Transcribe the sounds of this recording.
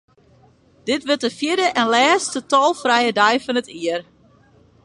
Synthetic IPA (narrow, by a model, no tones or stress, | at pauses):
d̥ɪtʋətəfjɪdəʔɛnlɛːstətɔlˠfrɛjədɛjfɔnətʰiər